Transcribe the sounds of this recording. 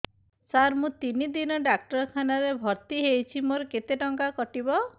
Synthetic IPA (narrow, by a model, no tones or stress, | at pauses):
saɾmũt̪inid̪inɔɖak̚ʈɔɾɔkʰanaɾebʱɔɾt̪iɦejt͡ʃʰimoɾɔket̪eʈɔŋkakɔʈibɔ